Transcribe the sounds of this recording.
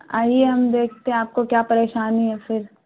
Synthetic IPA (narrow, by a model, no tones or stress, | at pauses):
a̰ːieɦɐmd̪eːkʰt̪ẽɦẽaːp̚kokjaːpɐɾeːʃaːniɦɛfɪɾ